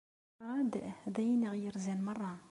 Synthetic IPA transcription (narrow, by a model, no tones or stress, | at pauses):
ʁɑd̪d̪æjnəʁjəɾzænmɑrˤːɑ